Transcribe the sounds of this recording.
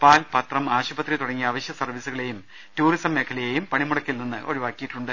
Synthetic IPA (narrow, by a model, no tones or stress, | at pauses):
paːlpɐt̪rɐmaːɕubɐt̪rit̪uɽɐŋːiaːʋɐɕjɐsɐrʋisuɣɐɭejum | tuːrisɐmːe̞ːkʰɐlɐjejumpɐɳimuɽɐkːilninːɨʔo̞̰ɻuʋaːkːijiʈːuɳɖɨ